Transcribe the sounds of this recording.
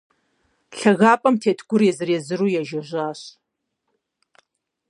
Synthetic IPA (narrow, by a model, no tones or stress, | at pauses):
ɬɐɣaːpʼɐmtʰeːtʰɡʷʊrjɛzɨrjɛzɨɾuːjɛʒɐʑʷaːɕ